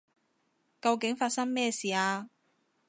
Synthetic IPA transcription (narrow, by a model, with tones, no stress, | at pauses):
kɐ˧wkɪ˨˥ŋfaː˧t̚sɐ˥ŋmɛː˥siː˨˩aː˧